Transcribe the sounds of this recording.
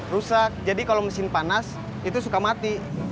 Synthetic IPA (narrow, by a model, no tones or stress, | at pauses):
rusak̚d͡ʒadikaloməsɪnpanas | it̪usukamat̪i